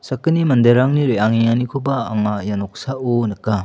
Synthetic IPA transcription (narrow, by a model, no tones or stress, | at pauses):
sɐkːɯnimɐnd̪eɾaŋniɾejaŋiŋanikʰubaːŋajanɔk̚saonɯkːa